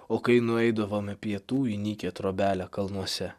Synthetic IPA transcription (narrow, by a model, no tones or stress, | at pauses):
oːkɐɪnʊɛɪd̪ɐʋoːmʲpʲiɛt̪uːɪnʲiːkʲet̪ɾoːbʲæːlʲækɐlˠnuɔsʲɛ